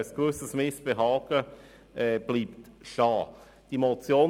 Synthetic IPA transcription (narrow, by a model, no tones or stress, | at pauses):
əsɡ̥vøsəsmɪsb̥eɦɑːɡ̥ə | ɛb̥liːptʃɑː | d̥imot͡sjoː